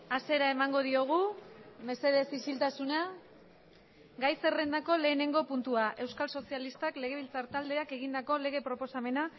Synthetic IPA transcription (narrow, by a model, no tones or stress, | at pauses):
ase̞ɾae̞maŋɡo̞ð̞io̞ɣ̞ume̞se̞ð̞e̞sisilt̪asuna | ɡajse̞re̞nd̪ako̞le̞ːne̞ŋɡo̞punt̪uaʔe̞wskalso̞sialist̪akle̞ɣ̞e̞β̞ilt͡saɾt̪ald̪e̞ake̞ɣ̞ind̪ako̞le̞ɣ̞e̞pɾo̞po̞same̞na